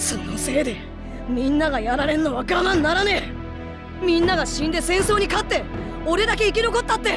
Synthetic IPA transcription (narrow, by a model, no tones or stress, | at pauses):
sonose̞ːd̪e̞ | mʲĩnːaɡajaɾaɾẽ̞nːoβakanãnːaɾane̞ | mʲĩnːaɡaɕĩnd̪e̞sẽ̞ɰ̃so̞ːɲ̟ikat̪ːe̞ | o̞ɾe̞d̪ak̬e̞ikʲino̞ko̞t̪ːat̪ːe̞